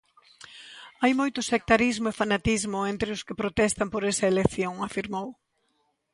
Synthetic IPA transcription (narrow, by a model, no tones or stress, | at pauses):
ajmojt̪ʊsek̚t̪aɾizmʊefanat̪izmʊent̪ɾɪʊskɪpɾot̪ɛst̪ampoɾesɐelekθjoŋafiɾmow